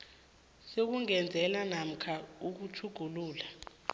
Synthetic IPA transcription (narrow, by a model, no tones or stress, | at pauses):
sok̬uŋɛnd͡zʱɛlanam̩kʰauk̬utʰuɡ̥ʱuluːla